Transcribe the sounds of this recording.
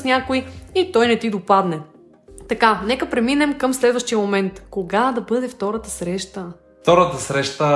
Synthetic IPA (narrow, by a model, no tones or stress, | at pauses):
snʲakojit̪ɔjnɛt̪id̪opad̪nɛ | t̪ɐkanɛkəpɾɛminɛmkɐmslɛd̪vəʃt̪ijəmomɛnt̪koɡad̪ɐbɤd̪ɛft̪ɔɾət̪əsɾɛʃt̪ə | ft̪ɔɾət̪əsɾɛʃt̪ə